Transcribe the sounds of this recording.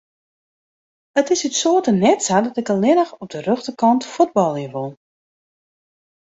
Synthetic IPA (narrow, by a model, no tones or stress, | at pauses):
ətɪsytsoːtənɛtsadɔtɪkəlɪnəxɔb̚dərøxtəkɔntfud̚bɔlˠjəʋolˠ